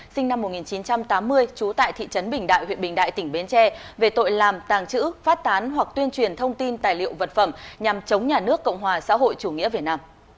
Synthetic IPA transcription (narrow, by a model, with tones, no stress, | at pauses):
sï˧ŋ̟na˧mːo˨˩t̚ŋi˨˩nt͡ɕi˨˦nt͡ɕa˧mt̪aː˨˦mːɨ˧əjt͡ɕu˨˦t̪a̰ː˧˨jt̪ʰḭ˧˨t͡ɕə˨˦nɓï˨˩ŋ̟ɗa̰ː˧˨jhwḭ˧˨ənɓï˨˩ŋ̟ɗa̰ː˧˨jt̪ï˧˩ŋ̟ɓe˨˦nt͡ɕɛ˧ve˨˩t̪o̰˧˨jlaː˨˩mt̪aː˨˩ŋt͡ɕɨ̰˧˥faː˦˥t̚t̪aː˨˦nɦwa˨˩k̚t̪wi˧ənt͡ɕwi˨˩ənt̪ʰə˧wŋ͡mt̪i˧nt̪aː˨˩jlḭ˧˨əwvə˨˩t̚fə˧˩mɲa˨˩mt͡ɕə˨˦wŋ͡mɲaː˨˩nɨ˦˥əkːə̰˧˨wŋ͡mɦwaː˨˩sa̰ː˧˥ɦo̰˧˨jt͡ɕu˧˩ŋḭ˧˥əvi˨˩naː˧m